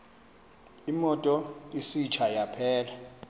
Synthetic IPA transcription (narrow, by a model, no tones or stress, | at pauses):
imɔtʼɔisit͡ʃʰajapʰɛːla